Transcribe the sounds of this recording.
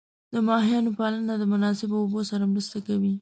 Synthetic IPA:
d̪̥əmɑɦijɑnopalanad̪əmʊnɑsɪbaobosaɾamɾəst̪akawi

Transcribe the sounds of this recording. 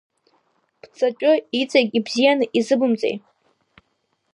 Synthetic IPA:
b̥ʰt͡sʰʼat͡ʃʷʼʊit͡sʼakʲʼibzijanɨʔizɨbɨmt͡sʼḛj

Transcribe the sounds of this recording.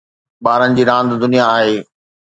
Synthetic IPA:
ɓaːɾənɪ̆d͡ʑiːɾãːnd̪d̪ʊnijaːɦeː

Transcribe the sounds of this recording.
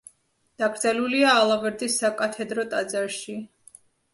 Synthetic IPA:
d̪̥aɡɾd̪zɛluliaːlˠavɛɾd̪isːakʼat̪ʰɛd̪ɾɔt̪ʼad̪zaɾʃi

